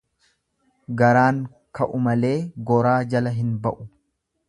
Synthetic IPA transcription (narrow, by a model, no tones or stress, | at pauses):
ɡɐɾaːŋ | kɐʔʊmɐle̞ːɡɔɾaːd͡ʒɐlɐɦɪnbɐʔʊ